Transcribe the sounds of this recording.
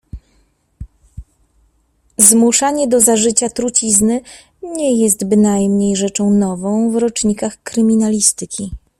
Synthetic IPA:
zmuʂaɲɛd̪ɔzaʐɘt͡ɕat̪ɾut͡ɕiznɘ | ɲɛjɛst̪bɘnajmɲejʐɛt͡ʂɔ̃w̃nɔvɔ̃w̃vɾɔt͡ʂɲikaxkɾɘmʲinalʲist̪ɘkʲi

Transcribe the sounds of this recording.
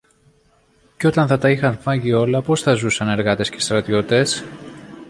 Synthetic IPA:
ceo̞t̪ɐnθɐt̪ɐixɐnfɐʝio̞lɐpo̞sθɐzusɐne̞ɾɣɐt̪e̞sce̞st̪ɾɐt̪io̞t̪e̞s

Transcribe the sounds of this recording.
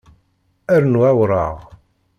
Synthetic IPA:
æɾnwæwɾˤɑ̰ʁ

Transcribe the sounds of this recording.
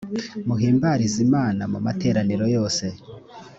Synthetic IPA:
muɦiːmbaɾizimaːnamuma̰te̞ːɾaniɾo̞jo̞ːse̞

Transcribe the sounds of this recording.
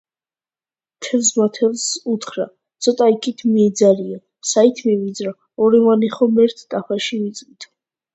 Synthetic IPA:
t̪ʰɛvsmat̪ʰɛlˠsut̪ʰχɾa | t̪sʰɔt̪ʼaikʰit̪ʰmiɛd̪zaɾia | sait̪ʰmivid̪zɾa | ɔɾivaniχɔmɛɾt̪ʰt̪ʼapaʃivit̪sʼvit̪ʰ

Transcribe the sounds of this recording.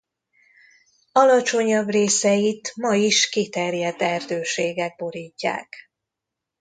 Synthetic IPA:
ɒlɒt͡ʃo̞ɲɒbreːsɛjit̪mɒiʃkit̪ɛrjɛd̪ːɛrd̪øːʃeːɡɛɡ̚bo̞ɾiːcːa̰ːk

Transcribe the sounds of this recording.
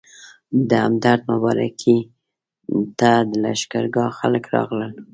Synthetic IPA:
d̪əamd̪aɾd̪mʊbɑɾa̰kʰi | t̪ad̪əla̰ʃkaɾɡɑxaləkɾɑ̰ɣləl

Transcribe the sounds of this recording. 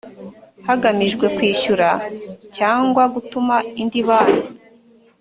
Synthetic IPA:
haɡamiʒɡwe̞kwiːʃuɾacaːŋɡwaɡutumaindiβaːno

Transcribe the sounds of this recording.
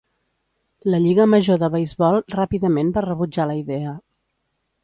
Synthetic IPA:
ləʎiɣəməʒoðəβəjzβɔlˠrapiðəmenbarəβud͡ʒaləiðɛə

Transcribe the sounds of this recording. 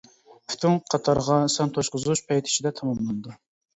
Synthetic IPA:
pʰy̥t̪ʰyŋqʰɑt̪ʰɑɾʁɑsɑnt̪ʰoʃqʊzuʃpʰɛjt̪ʰɪ̥ʃid̪ɛt̪ʰɑmɑmlˠɑnɨd̪u

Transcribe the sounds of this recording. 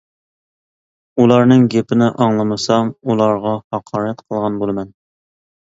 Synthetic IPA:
ulˠɑɾnɨŋɡʲepɪnɪʔɑŋlˠɨmɨsɑmulˠɑɾʁɑhɑqʰɑːɾɛt̪qʰəlˠʁɑnbolˠɨmɛn

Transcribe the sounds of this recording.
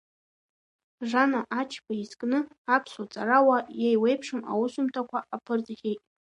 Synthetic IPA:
ʐanaʔat͡ʃʰpʰaizkʼnɨ | apʰsat͡sʼarawajajwejpʰʂɨma̰wʊsumtʰakʷaʔapʰɨrt͡sʼχʲejtʼ

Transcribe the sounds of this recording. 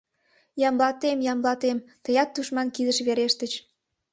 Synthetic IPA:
jɑmlɑt̪emjɑmlɑt̪emt̪əjɑt̪ːuʃmɑnkid̪əʃβeɾeʃt̪ət͡ɕ

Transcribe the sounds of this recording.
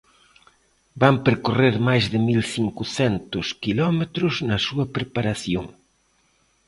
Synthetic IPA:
bampeɾkoreɾmajzðɪmilθiŋkʊθɛnt̪ʊskilɔmet̪ɾʊznɐsuɐpɾepaɾaθjo̰ŋ

